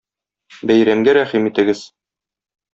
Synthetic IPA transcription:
bæjɾæmɡæɾæχimit̪ɘ̆ɡɘz

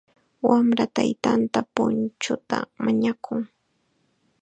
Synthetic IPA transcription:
wamɾat̪ajt̪ant̪apʊnt͡ʃʊt̪amaɲakʊŋ

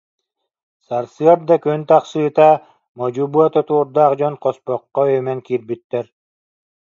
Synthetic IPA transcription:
saɾsɯɐɾd̪akynt̪aqsɯːt̪a | mɔd͡ʑubuɔt̪ɔt̪uːɾd̪aːqd͡ʑɔnqɔspɔqːɔœjmɛŋkiːɾbyt̪ːɛɾ

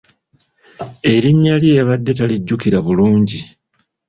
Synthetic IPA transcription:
e̞ɾiɲːalieβadːe̞taliɟːukiɾaβuluːɲɟi

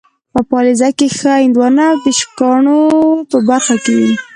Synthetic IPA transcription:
pəpɑlezakexəɪnd̪wɑnad̪əʃkɑɳopəbaɾxakewi

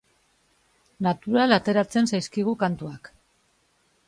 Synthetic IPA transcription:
nat̪uɾalat̪e̞ɾat͡se̞nsajskiɣ̞ukant̪uak

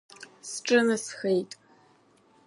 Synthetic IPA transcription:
sʈ͡ʂʼɨnɨsxejtʼ

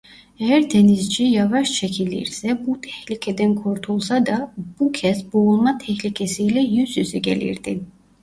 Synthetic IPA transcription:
ɛjæɾd̪ʰenizd͡ʒijavaʃt͡ʃʰɛcʰilʲḭɾsɛbut̪ʰɛ̥hlicʰɛd̪ɛnkʰuɾt̪ʰulˠsad̪ab̥ucʰɛsboulˠmat̪ʰɛçlicʰɛsijlɛjysyzɛɟɛlḭɾd̪̥i

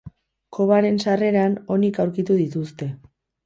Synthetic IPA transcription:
kʰo̞βaɾe̞nsare̞ɾano̞nikawɾkit̪uðit̪ust̪e̞

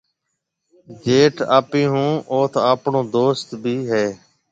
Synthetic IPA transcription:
d͡ʒeːʈʰa̰ːpĩːɦũːʔoːt̪ʰaːpɳõːd̪oːst̪bʱiːɦɛː

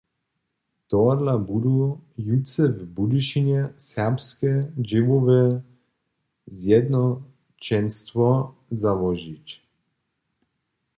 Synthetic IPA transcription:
t̪ɔrlabud̪ujut̪sɛvbud̪uʃinɛsɛʁpskɛd͡ʒivovɛ | zjɛd̪nɔ | t͡ʃɛnst̪vɔzavɔʒit͡ʃ

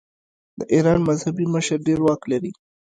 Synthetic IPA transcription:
d̪̥əʔiɾɑnmazhabiməʃəɾɖeɾwɑklaɾi

